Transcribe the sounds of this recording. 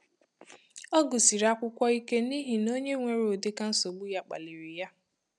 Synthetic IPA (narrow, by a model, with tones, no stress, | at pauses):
ɔ˦ɡʊ˨si˨ɾa˦kʷʊ˦kʷɔ˦i˦ke˦ni˦ɦi˨no˦ɲe˦ŋʷe˨ɾdɪ˦ka˦n̩˦so˨ɡ͡bu˦ja˦k͡pa̰˨li˨ɾi˨ja˦